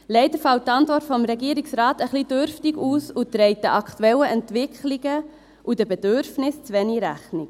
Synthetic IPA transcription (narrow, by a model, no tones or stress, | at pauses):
lɛɪdəɾfɑlttːɑntʋɔrtfɔmɾɛɡiəɾiksɾɑːtəχlidøɾftiɡuːsut̪ɾɛɪt̚d̥əʔɑkχtuɛləʔɛntʋɪkχliɡə | ʔudəbɛdøɾfnɪst͡sʋɛniɾæχnik